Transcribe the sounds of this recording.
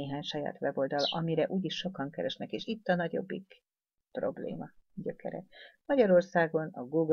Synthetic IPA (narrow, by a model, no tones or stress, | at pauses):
eːɦaːɲʃɒja̰ːt̪ʋɛbo̞ld̪ɒlɒmiɾɛʔuːɟiʃːo̞kɒŋkɛɾɛʃnɛkeːʃit̪ːɒnɒɟo̞̰bːik | pro̞̰blḛːmɒɟøkɛ̰ɾɛ̰mɒɟɒɾo̞rsaːɡo̞nɒɡuːɡ